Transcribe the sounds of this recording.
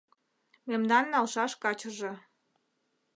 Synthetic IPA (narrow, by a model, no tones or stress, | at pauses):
memd̪ɑnːɑlʃɑʃkɑt͡ɕəʒe